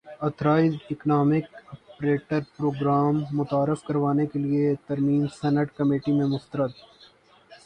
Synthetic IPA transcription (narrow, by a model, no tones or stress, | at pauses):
ɐt̪ʰɾaːid̪ɪknaːmɪkɔpɾeːʈəɾpɾoːɡɾaːmːʊt̪aːɾɪfkɐɾʋaːnekeliet̪ɐɾmiːmsɛːnəʈkɐmeːʈimẽmʊst̪əɾət̪